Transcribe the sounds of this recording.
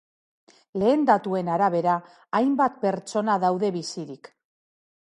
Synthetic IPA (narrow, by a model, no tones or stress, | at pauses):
le̞ːnd̪at̪ue̞naɾaβ̞e̞ɾaː | jmbat̪pe̞ɾt͡ʃo̞naðawðe̞βisiɾik